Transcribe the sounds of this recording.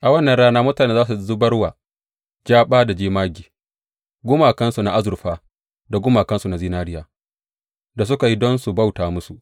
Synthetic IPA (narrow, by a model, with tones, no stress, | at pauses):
ʔa˨wɐ˦nːɐ˨nɽaː˦naː˦mʊ˦taː˨neː˦zaː˦s̬u˨˦zu˦bɐ˦ɽwaː˨ | d͡ʒaː˦ɓaː˦da˨d͡ʒiː˦maː˦ɡʲiː˨ | ɡʷʊ˦maː˨kɐ˦nsu˨na˨ʔa˦zʊ˨ɾɸaː˦ | da˨ɡʊ˦maː˨kɐ˦nsu˨na˨ziː˦naː˦ɾɪ˦jaː˨ | da˨s̬ʊ˦ka˨ji˦dɔ˦nsu˨bɐ˦˨wtaː˨mʊ˦su˨ʔ